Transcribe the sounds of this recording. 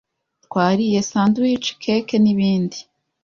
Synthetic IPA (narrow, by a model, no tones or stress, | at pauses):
twaːɾije̞saːnduit͡ʃi̥kʰeke̞niβiːndi